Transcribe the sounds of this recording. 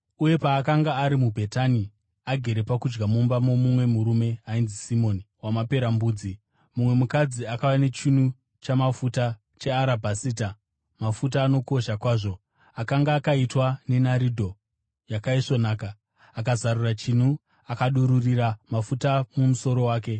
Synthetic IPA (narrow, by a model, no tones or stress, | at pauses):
uje̞paːkaŋɡaːɾimubʱe̞tani | aɡʱe̞ɾe̞pakud͡ʒɡamumbamomumwe̞muɾume̞ainzisimo̞niwamape̞ɾambuːd͡zi | mumwe̞mukad͡ziakawane̞t͡ʃin̤u | t͡ʃamafuta | t͡ʃe̞aɾabʱasiːta | mafut̬aːno̞ko̞ʃakwaːʐo̞ | akaŋɡaːkaitwane̞naɾidʱo̞ | jakaiʂo̞naːkaː | kazarurat͡ʃin̤u | akaɗuɾuriɾamafutamumuso̞ɾo̞waːke̞